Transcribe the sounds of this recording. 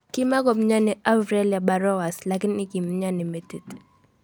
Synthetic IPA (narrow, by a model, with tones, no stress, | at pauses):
kima˦kɔ˨m̩˦ɲa˦ni˨a˦vɾɛ˦lja˨ba˨ɾɔ˦wa˨slaki˦ni˦ki˨m̩˦ɲani˨mɛ˨ti˨t